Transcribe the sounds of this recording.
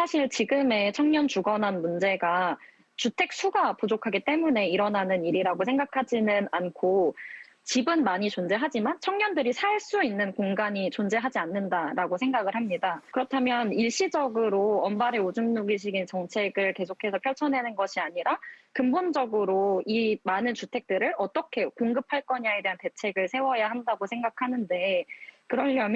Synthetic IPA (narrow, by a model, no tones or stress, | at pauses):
sʰaɕʰiɭt͡ɕiɡɯme̞t͡ɕʰʌŋɲʌnt͡ɕuɡʌnanmund͡ʑe̞ɡa | t͡ɕutʰe̞k̚sʰuɡapud͡ʑokʰaɡit͈e̞mune̞iɾʌnanɯniɾiɾaɡosʰe̞ŋɡakʰad͡ʑinɯnankʰo | t͡ɕibɯnmaɲit͡ɕond͡ʑe̞ɦad͡ʑimant͡ɕʰʌŋɲʌndɯɾisʰaɭs͈uinːɯnkoŋɡaɲit͡ɕond͡ʑe̞ɦad͡ʑianːɯndaɾaɡosʰe̞ŋɡaɡɯɭhamɲidakɯɾʌtʰamjʌniɭɕ͈id͡ʑʌɡɯɾoʌmbaɾe̞od͡ʑumnuɡiɕ̬ʰiɡint͡ɕʌŋt͡ɕʰe̞ɡɯɭke̞sʰokʰe̞sʰʌpʰjʌɭt͡ɕʰʌne̞nɯnɡʌɕʰiaɲiɾakɯmbond͡ʑʌɡɯɾoimanɯnt͡ɕutʰe̞k̚t͈ɯɾɯɭʌt͈ʌkʰe̞koŋɡɯpʰaɭk͈ʌɲae̞de̞ɦante̞t͡ɕʰe̞ɡɯɭsʰe̞wʌjaɦandaɡosʰe̞ŋɡakʰanɯnde̞kɯɾʌːʌmj